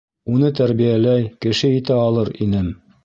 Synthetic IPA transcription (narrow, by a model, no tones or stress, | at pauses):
unɤt̪æɾβijælæjkɘ̆ʃɘit̪æɑlˠɤɾinɘm